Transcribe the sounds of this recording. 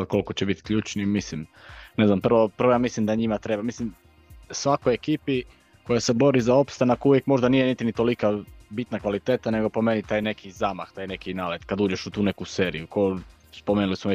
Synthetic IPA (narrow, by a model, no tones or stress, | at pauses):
lko̞lkot͡ɕebit̪kʎuːt͡ʃnimislimne̞znampr̩ʋo̞pɾr̩ʋo̞jamislimd̪aɲimat̪ɾe̞bamislim | sʋakojekiːpi | ko̞jase̞bo̞ɾizao̞pst̪anakuvʋjekmo̞ʒd̪anijenit̪init̪o̞likabit̪nakʋalit̪e̞ːt̪ane̞ɡo̞po̞me̞nit̪aːjne̞kʰizamaxt̪aːjne̞kinaːled̪kad̪uːd͡ʒe̞ʃut̪uːne̞kuseːɾḭjuko | spomenulismoe